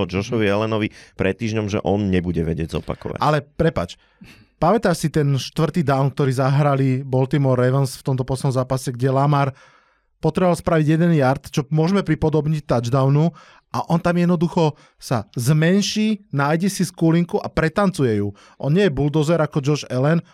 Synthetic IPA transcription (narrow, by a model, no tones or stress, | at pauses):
d͡ʒɔʃɔʋiɛlɛnɔʋipɾɛt̪ːiːʒɲɔmʒɛ̰ʔɔnɲɛbuɟɛʋɛ̰ɟɪɛɟzɔ̰pa̰kɔ̰ʋa̰ʔa̰lɛpɾɛpa̰ːt͡ʃ | pamɛt̪aʃsit̪ɛnʃt̪ʋr̩t̪iːd̪aʊnk̚t̪ɔɾiːzaɦɾalibɔlt̪imɔɾːɛʋənsft̪ɔmt̪ɔpɔsnɔmzaːpasɛɡɟɛlamaɾ | pɔt̪ɾɛɔʋalspɾaʋiɟjɛd̪ɛnjaɾt̪t͡ʃɔmʊɔʒmɛpɾipɔd̪ɔbɲit̪ad͡ʒd̪aʊnu | ʔaʔɔnt̪amjɛd̪nɔd̪uxɔ | sazmɛnʃiːnaːjɟɛsiskuliŋkuʔapɾɛt̪ant͡sujɛju | ʔɔnɲɪɛjɛbuld̪ɔzɛɾakɔd͡ʒɔɾʃɛlɛn